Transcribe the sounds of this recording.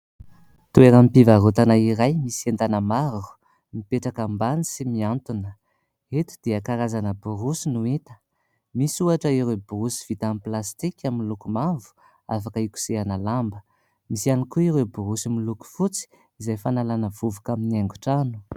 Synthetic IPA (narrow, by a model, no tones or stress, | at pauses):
t̪ueɾəmipivaɾut̪anaiɾajmisent̪anəmaɾu̥ | mipeʈ͡ʂakambanisimiant̪unə | et̪u̥d̪̥eakaɾazanəbuɾusinuit̪ə̥ | misuaʈ͡ʂəiɾewbuɾusi̥v̥it̪amiplast̪ikʲaminlukumavu̥ | afakəiku̥seanalambə | misianikuiɾewbuɾusimiluku̥fut͡si̥ | izajfanalanəvuvukaminiaŋɡu̥ʈ͡ʂanu̥